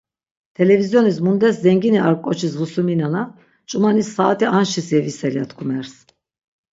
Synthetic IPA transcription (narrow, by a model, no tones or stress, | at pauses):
t̪ʰɛlɛvizjɔnis̬mund̪ɛszɛŋɡiniaɾkʼɔt͡ʃʰis̬vusuminana | t͡ʃʼumanisːaːt̪ʰianʃisɛvisɛliat̪ʰkʰumɛɾs